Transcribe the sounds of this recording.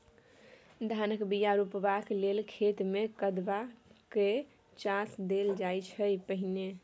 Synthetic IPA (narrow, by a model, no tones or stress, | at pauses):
d̪ʱanəkbijaɾupbaklelkʰet̪mekəd̪bake | t͡ʃãsd̪eld͡ʒajt͡ʃʰəjpəɦine